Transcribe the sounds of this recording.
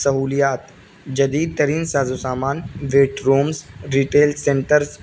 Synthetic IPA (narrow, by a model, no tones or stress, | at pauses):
sɐɦuːlijaːt̪ | d͡ʒɐd̪iːd̪̚t̪ɐɾiːnsaːzosaːmaːnʋeːʈɾoːmzɾiːʈeːlsẽɳʈəɾz